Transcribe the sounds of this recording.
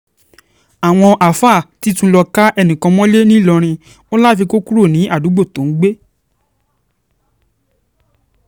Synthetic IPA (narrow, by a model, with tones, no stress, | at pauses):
a˨w̃ɔ̃˧ʔa˨fa˦˨ti˦tũ˧˦lɔ˧ka˦ʔɛ˧nĩ˨kã˧mɔ̃˦le˦nĩ˦lɔ˧ɾ̃ĩ˧ | o˦la˦fi˧ko˦ku˦ɾo˦˨nĩ˨˦ʔa˦˨du˨˦ɡ͡bo˦˨tõ˨˦ɡ͡be˦